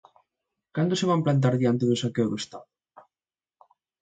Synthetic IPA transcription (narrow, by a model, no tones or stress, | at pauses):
kand̪ʊseβ̞amplant̪̬aɾðiant̪̬eðʊsakewðoest̪aðʊ